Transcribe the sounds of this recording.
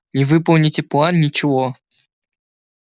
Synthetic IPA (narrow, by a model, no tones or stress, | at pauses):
nʲɪvɨpəlˠnʲɪtʲɪplˠannʲɪt͡ɕɪvo